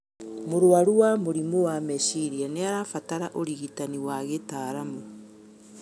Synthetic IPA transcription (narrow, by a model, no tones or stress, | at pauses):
moɾwaɾuwamoɾimowamɛʃiɾianeaɾafataɾaʔoɾiɣitaniwaɣetaːɾamo